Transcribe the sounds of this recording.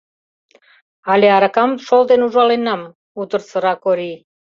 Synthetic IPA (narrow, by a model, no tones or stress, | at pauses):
ɑlʲeɑɾɑkɑmʃold̪enuʒɑlenɑm | ut̪ə̆rsə̆ɾɑkoɾi